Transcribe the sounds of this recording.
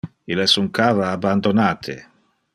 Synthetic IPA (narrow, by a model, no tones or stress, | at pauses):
ilɛsuŋkaːvaːbːand̪onaːt̪ʰḛ